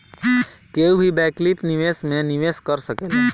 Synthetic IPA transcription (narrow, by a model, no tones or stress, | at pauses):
keubʱibɛklipniʋesmeniʋeskəɾsəkelɛ